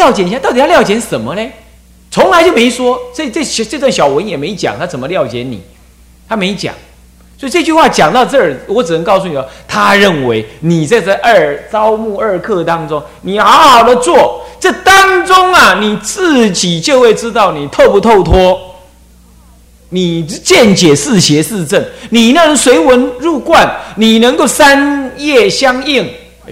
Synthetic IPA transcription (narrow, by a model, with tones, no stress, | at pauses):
ljɑ˥˩ʊt͡ɕjɛ˧˥ni˧˩ja˥t̪ɑ˥˩t̪i˨jljɑ˥˩ʊt͡ɕjɛ˧˥nʂə˨˩nmə˦le˥˧ | t͡sʰʊ˧˥ŋla˧˦ɪt͡ɕjo˥˩ʊmẽ˧˥ɪʂwɔ˥sɔ˧˥i˨˩t͡sə˥˩ɕt͡sɤ˥˧t͡swa˥˩ŋɕjɑ˨˩ʊwə˧˦njɛ˨˩me˧˥ɪt͡ɕjɑ̰˨˦ŋt̪ʰa˥t͡sə˨˩mə˦ljɑ˥˩ʊt͡ɕjɛ˧˥nḭ˨˩˦ | t̪ʰa˥me˧˥ɪt͡ɕjɑ̰˨˩˦ŋ | sswɔ˧˥i˨˩t͡sɤ˥˧t͡ɕy˥˧xwa˥˩t͡ɕjɑ˨˩ŋt̪ɑ˥˧ʊt͡sɤ˥˩˨wɔ˧˦ʈ͡ʂɻ̩˨˩ə˧˦ŋkɑ˥˩ʊsu˧ni˨˩sɔ˥˩t̪ʰa˦˥ɻə˥˩nwe˧˦ɪni˨˩t͡sə˥˧t͡sa˥˧ɪʔə˞˥˩t͡sɑ˦ʊmu˥˧ə˞˥˧kʰɤ˥˧t̪ɑ˦˥ŋt͡sʊ˦ŋ | ni˨˩xɑ˧˥ʊxɑ˨˩ʊd̪ə˦t͡swɔ˥˨˩t͡sə˥˩t̪a˦ŋt͡sʊ˦˥ŋɐ˨ni˨˩t͡sɹ̩˥˨˩t͡ɕi˨˩t͡ɕjo˥˧xwe˥˩ɪʈ͡ʂɻ̩˦t̪ɑ˥˩ʊni˨˩t̪ʰo˥˧ʊpu˧˩t̪ʰo˥˧ʊt̪ʰwɔ˥ | ni˨˩t͡ɕjɛ˥˨nt͡ɕjɛ˨˩sɹ̩˥˨ɕjɛ˧˦sɹ̩˥˧ʈ͡ʂə˥˩nni˨˩na˥˩ɻə˧˦nswe˧˥ɪwə˧˦nɻu˥˧kwa˥˨nni˨˩nə˧˥ŋko˥˩ʊsa˦˥njɛ˥˩ɕjɑ˥˦ŋi˥˩ŋ